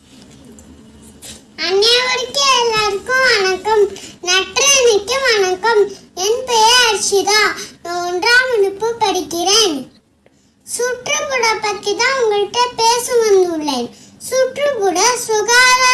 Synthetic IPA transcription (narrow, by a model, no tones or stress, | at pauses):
ɐnːejɐʋɐɾɯkːɯɛlːaːɾɯkːɯ̃ʋɐnɐkːɐmnɐʈrɯɪnɪkːɯʋɐnɐkːɐmɛnpejɐɐɾt͡ʃːit̪ãːnãːɔndraːmʊnɯpːɯpːɐɽɪkːɪreːn | suʈrɯkuɽɐpːɐt̪ːit̪ãːʊŋɡɐɭɪʈːepeːsɯmɐnd̪ɯɭːɐɪ | suːʈrɯkuɽɐsʊɣaːðɐ